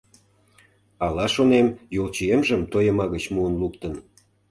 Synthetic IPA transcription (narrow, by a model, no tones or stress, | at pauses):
ɑlɑʃonemjolt͡ɕiemʒəmt̪ojə̆mɑɣət͡ɕmuənlukt̪ən